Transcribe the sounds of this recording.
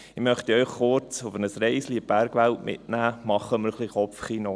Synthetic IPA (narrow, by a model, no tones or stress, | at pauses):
ɪmœχt̪iœʏχːʊɾt͡sʊfənəsɾɛɪsliəb̥æɾɡʋæltmʔɪ̰tnæːmɑχːəməɾχliχɔpfχino